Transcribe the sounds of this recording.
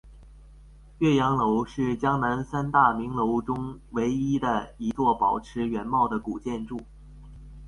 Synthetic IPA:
ɥɛ˥˩jɑ˧˥ŋlo˧˥ʊʂɻ̩˥˩t͡ɕjɑ˥ŋna˧˥nsa˥nt̪a˥˩mi˧˥ŋlo˧˥ʊʈ͡ʂʊ˥ŋwe˧˥ɪi˥d̪ə˨i˧˥t͡swɔ˥˩pɑ˨˩ʊʈ͡ʂʰɻ̩˧˥ɥɛ˧˥nmɑ˥˩ʊd̪ə˩ku˨˩t͡ɕjɛ˥˧nʈ͡ʂu˥˩

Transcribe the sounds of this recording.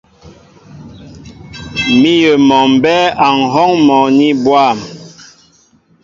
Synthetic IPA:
mi˦jə˨mɔ˨m˨bɛ˦a˨ŋ̩˨ɦɔ˦ŋmɔ˨ni˦bwa˦˨m

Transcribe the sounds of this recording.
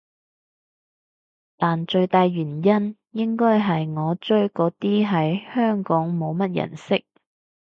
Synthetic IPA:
t̪aː˨nt͡ʃɵ˧ɥt̪aː˨˧jɥyː˨˩njɐ˥n | jɪ˥ŋkɔː˥jɦɐ˨jŋɔː˨˧t͡ʃɵ˥ɥkɔː˨˥t̪iː˥ɦɐ˨jhœː˥ŋkɔː˨˥ŋmo˨˧wmɐ˥t̚jɐ̰˨˩nsɪ˥k̚

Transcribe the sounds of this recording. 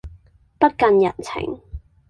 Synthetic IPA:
pɐ˥t̚kɐ˧njɐ̰˨˩nt͡sʰɪ̰˨˥ŋ

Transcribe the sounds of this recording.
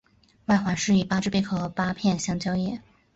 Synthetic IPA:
wa˥˩xwa˧˥nʂɻ̩˥˩i˨˩pa˥ʈ͡ʂɻ̩˥˩pe˥˩kʰɤ˥˩pa˥pʰjɛ˥˩nɕjɑ˥ŋt͡ɕjɑ˥ʊjɛ˥˩˦

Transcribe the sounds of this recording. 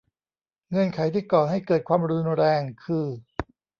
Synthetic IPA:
ŋɤ˧nkʰa˨˩˦jt̪ʰiː˥˩kɔː˨˩ɦa˥˩jkɤː˨˩t̪̚kʰwaː˧mɾu˧nɾɛː˧ŋkʰɯː˧

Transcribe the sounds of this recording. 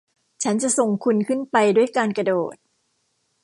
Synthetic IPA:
t͡ɕʰa˦˥nt͡ɕa˨ʔso˨˩ŋkʰu˧nkʰɯ˥˩npa˧jdu˥˩əjkaː˧nka˧doː˨˩t̪̚

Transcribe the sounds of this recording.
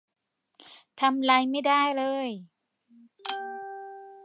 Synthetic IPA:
t̪ʰa˧mla˧jma˥˩jdaː˥˩jlɤː˧j

